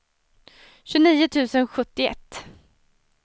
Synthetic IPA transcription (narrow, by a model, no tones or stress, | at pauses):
ɕɵniːʊt̪ʰʉ̟ːsənɧɵt̪ːɪɛ̰t̪ː